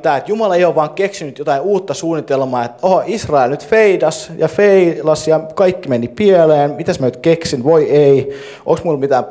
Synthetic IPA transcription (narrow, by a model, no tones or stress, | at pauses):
t̪æːet̪jumɑlɑeioʋʋɑːŋkeksinyt̪jot̪ɑiuːt̪ːɑsuːnːit̪elmɑːet̪ːohɑisrɑelnyt̪feidɑsjɑfeilɑsjɑkɑikːimenːipieleːnmit̪æsmænyt̪keksinʋoiei | ʔo̰ˑksmulmit̪æːm